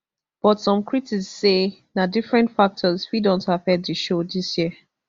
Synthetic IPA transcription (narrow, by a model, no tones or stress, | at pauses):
b̥ɔtsɔ̃mkɹitiksːenadifɹɛ̃ntfak̚tʰɔzfidɔ̃nthav̥hɛd̚ðɨʃodisjiə